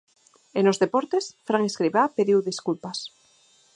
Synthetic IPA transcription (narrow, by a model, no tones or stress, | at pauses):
enozðepoɾt̪esfɾaŋeskɾiβapeðiwðiskulpas